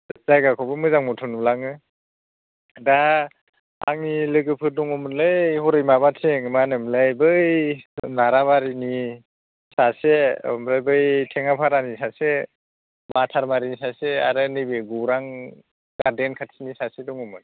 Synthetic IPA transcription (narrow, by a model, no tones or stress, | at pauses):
z̥ajɡakʰɔbɯmɯzaŋmɔtʰɔnulaŋɯ | da | a̰ŋnilɯɡɯpʰɯdɔŋɔmɯnlɯjhɔɾɯjmabatʰeŋmanɯmlɯjbɯjnaɾabaɾini | saseɔ̰mɾajbɯjtʰeŋapʰaɾanisase | batʰaɾmaɾinisaseaɾɯnɯjbɯɡuɾaŋ | ɡ̥adenkʰatʰinisasedɔŋɔmɯn